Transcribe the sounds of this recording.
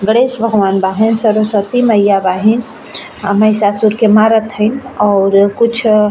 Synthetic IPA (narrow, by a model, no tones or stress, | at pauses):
ɡəɽesbʱəɡʱʋaːnbaɦinsəɾosət̪iməjabaɦin | məjsasuɾkemaɾət̪ɦəɪnɔːɾkut͡ʃʰ